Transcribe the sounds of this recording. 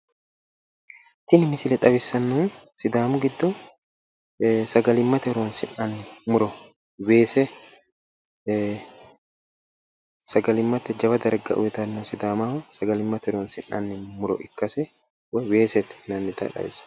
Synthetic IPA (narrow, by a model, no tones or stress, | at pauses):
t̪ɪnɪmɪsɪlɛᶑ̪ʼɐβɪsːɐnːunsɪd̪aːmʊɡɪd̪ːɔ | sɐɡɐlɪmːɐt̪ɛɾoːnsɪnanːɪmʊɾɔ | weːsɛ | sɐɡɐlɪmːɐt̪ɛd͡ʒɐbɐd̪ɐɾɡɐ̰ʔʊ̰wɛt̪ɐnːɔsɪd̪aːmaːhʊsɐɡɐlɪmːɐt̪ɛɾoːnsɪna̰nːɪmʊɾɔ̰ʔɪkːɐsɛ | wweːsɛt̪ɛ̥nɐnːɪt̪ɐ̰ᶑɐ̰bɪ̰sɐ̥